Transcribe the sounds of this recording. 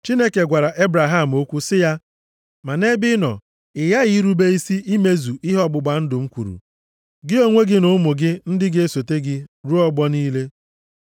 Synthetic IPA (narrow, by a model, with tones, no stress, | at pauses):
t͡ʃi˦ne˦ke˨ɡʷa˨ɾa˨ʔe˦bɾa˨ɦa˦˨m̩˨o˦kʷu˦sɪ˦ja˦ | ma˨ne˦bɪ˦nɔ̰˨ | ɪ˨ja˦ɣɪ˨˦ɾu˦be˦i˦si˦ʔi˦me˦zu˨ɪ˦ɦɔ˦ɡ͡bʊ˨ɡ͡ba˨n̩˦dʊ˨ŋ͡m̩˦kʷṵ˨ɾṵ˨ | ɡɪ˦o˦ŋʷe˦ɡɪ˦nʊ˨˦mʊ˨ɡɪ˦n̩˦dɪ˦ɡe˦so˨te˦ɡɪ˦ɾu˦ɔ˦ɡ͡bɔ˦niː˦le˦